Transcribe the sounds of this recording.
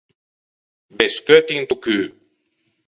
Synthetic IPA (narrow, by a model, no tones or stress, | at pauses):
bɛskøːt̪iŋt̪ukyː